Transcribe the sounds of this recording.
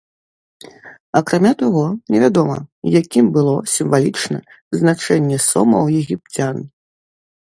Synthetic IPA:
ɐkɾamʲat̪aɣɔnʲɛvʲad̪ɔmɐ̰jakʲimbɨlˠɔsʲimvalʲit͡ʂnɐ̰ | znat͡ʂɛnʲːɛsumɐwjɛɣʲip̚t͡sʲan

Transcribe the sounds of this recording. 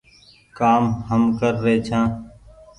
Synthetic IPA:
kaːmɦəmkəɾːeːt͡ʃʰãː

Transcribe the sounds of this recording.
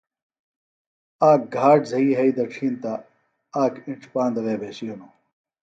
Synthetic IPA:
aːk̚ɡʱaːʈzɐiːɦɐid̪ɐʈ͡ʂʰiːnt̪a | aːkiɳʈ͡ʂʰpãːnd̪ɐʋeːbʱeːɕijono

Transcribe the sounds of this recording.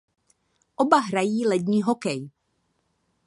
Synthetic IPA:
ʔobaɦɾajiːlɛdɲiːɦokɛj

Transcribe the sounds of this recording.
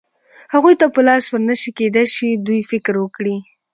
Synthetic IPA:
haɣujt̪apəlɑswəɾnəʃiked̪ajʃid̪ujfɪkɾwəkɽi

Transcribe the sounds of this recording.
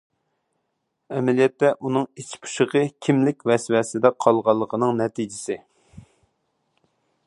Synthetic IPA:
ɛmɛlijɛt̪ːɛʔunɨŋit͡ʃʰi̥pʰu̥ʃəʁəkʲʰimlɪkʲvɛswɛsɪd̪ɛqʰɑlˠʁɑlˠːəqʰənɨŋnɛt̪id͡ʒɪsɪ

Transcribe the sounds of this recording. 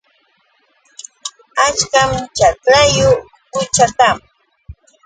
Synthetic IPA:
at͡ʃkamt͡ʃaklajʊ | pʊt͡ʃat̪am

